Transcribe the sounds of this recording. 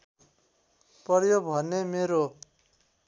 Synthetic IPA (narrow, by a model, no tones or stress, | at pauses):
pʌrjobʱʌnːemeɾo